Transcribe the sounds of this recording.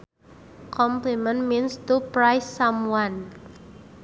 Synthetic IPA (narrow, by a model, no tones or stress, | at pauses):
kʰɔmplimə̃nminst̪upɾajsːamuan